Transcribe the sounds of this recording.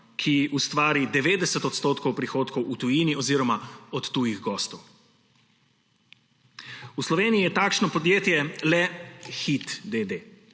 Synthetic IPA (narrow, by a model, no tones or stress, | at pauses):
kʰiust̪ʋaːɾid̪ɛʋeːd̪ɛsɛt̪ɔt̪st̪oːt̪kɔwpɾixoːt̪kɔwʔut̪ujiːniɔziːɾɔmaɔt̪ːujiɣɡɔːst̪ɔw | uslɔʋeːnijijɛt̪aːkʃnɔpɔd̪jeːt̪jɛlɛxit̪d̪ed̪eː